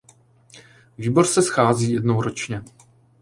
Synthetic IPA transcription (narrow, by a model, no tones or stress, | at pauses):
viːbo̞ɾsɛsxaːziːjɛdnowɾot͡ʃɲɛ